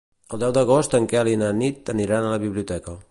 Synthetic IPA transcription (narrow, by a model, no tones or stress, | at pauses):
əlˠd̪ɛwd̪əɣ̞ost̪əŋkɛalinənit̪əniɾanələβiβliut̪ɛkə